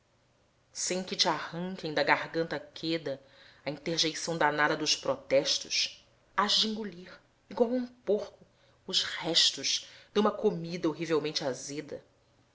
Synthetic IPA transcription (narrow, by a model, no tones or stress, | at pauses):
sẽj̃kɪt͡ʃɪahɐ̃ŋkẽj̃d̪ɐɡahɡɐ̃nt̪ɐkʰed̪ɐ | ɐĩnt̪eɾʒejsɐ̃w̃d̪anad̪ɐd̪ʊʃpɾɔt̪ɛʃt̪ʊ̰ʃ | aʃd͡ʒĩŋɡuliɾ | iɡwawũpoχkʊ | ʊʃhɛʃt̪ʊʃd̪ũmɐkomid̪ɐoɦivewmẽnt͡ʃɪazed̪ɐ̰